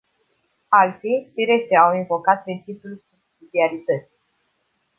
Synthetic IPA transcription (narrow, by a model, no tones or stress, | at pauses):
alt̪fifiɾeʃt̪eawinvo̞kat̪̚pɾint͡ʃipjulsubsid̪iaɾit̪ət̪si̥